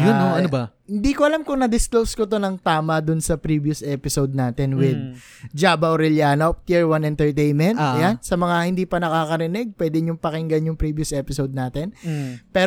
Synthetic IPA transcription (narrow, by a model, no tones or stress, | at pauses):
jʊnoɐnobɐhɪnd̪iːkoʔɐlamkʊŋnɐd̪ɪsklowskot̪o̞nɐŋt̪aːmɐd̪ʊnsɐpɾibjʊsʔɛpɪsowd̪̚naːt̪ɛnwɪd̪̚ | d͡ʒaːbɐwɾɪljanot̪iɹwɐnɛnt̪ɛɹt̪ejnmɛnt̪ːɐjansɐmɐŋahɪnd̪iːpɐnɐkaːkɐɾɪnɛɡ̚pwɛd̪ɪɲʊŋpɐkɪŋɡɐnjʊŋpɾiːbjʊsʔɛːpɪsowd̪̚naːt̪ɛnpɛːɾ